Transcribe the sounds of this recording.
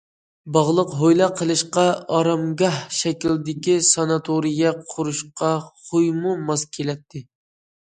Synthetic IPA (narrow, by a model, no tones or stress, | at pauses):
bɑʁlˠəqɦojlˠɑqʰːəlˠɨʃqɑɑɾɑmɡɑhʃɛkʲild̪ɪkʲisɑnɑt̪ʰoɾijɛqʰʊɾuʃqɑχojmumɑskʲʰelɛt̪ʰːɪ